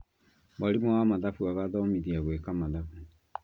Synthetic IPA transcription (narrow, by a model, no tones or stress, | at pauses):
waɾemɔwamaðafuaɣaðɔmiðiaɣwɛkamaðafu